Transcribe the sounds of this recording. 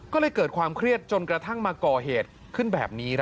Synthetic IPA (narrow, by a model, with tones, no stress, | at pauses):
kɔː˥˩lɤː˧jkɤː˨˩t̚kʰwaː˧mkʰɾi˥˩ət̪̚t͡ɕo˧nkɾa˧t̪ʰa˥˩ŋmaː˧kɔː˨˩ɦeː˨˩t̪̚ | kʰɯ˥˩nbɛ̰ː˨˩p̚niː˦˥ɾ